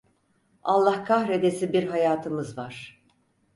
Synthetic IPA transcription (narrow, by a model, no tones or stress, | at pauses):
alˠːahkʰahɾed̪esibiɾɦajaːt̪ʰɯmɯzvaɾ̥